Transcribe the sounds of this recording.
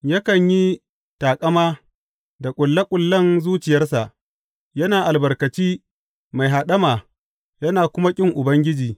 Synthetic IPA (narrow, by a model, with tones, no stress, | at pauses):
ja˦kɐ˨ɲji˦ | taː˨kʼɐ˦maː˦ | da˨kʷʼʊ˨lːɐ˦kʷʼʊ˨lːɐ˦nzuː˦t͡ʃɪ˨jɐ˦rsa˨ʔ | jɐ˦naː˨ʔa˨lbɐ˨rkɐ˨t͡ʃiː˦ | ma˨jɦa˨ɗɐ˦maː˨ | jɐ˦naː˨kʷʊ˦ma˦kʲʼɪ˦ŋʔʊ˨bɐ˦ŋɡʲɪ˦d͡ʒiː˨